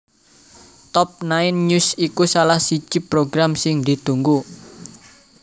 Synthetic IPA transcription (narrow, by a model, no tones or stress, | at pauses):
t̪ɔp̚naɪnɲusikusalahsid͡ʒ̥ipɾoɡɾamsɪŋd̪i̤d̪̥ṳŋɡu